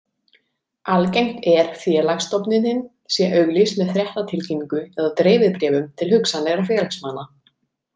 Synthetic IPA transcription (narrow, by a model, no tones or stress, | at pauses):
ʔalcejm̥t̪ɛɾ̥fjɛːlaxst̪ɔwpnɪnhɪn | sjɛʔœɣlismɛðθɾjɛht̪at̪ʰɪlcɛmiŋkʏɛðat̪ɾeːjvɪðpɾɛːvʏmt̪ʰɪlhʏksanlɛɣɾafjɛːlaksmaːna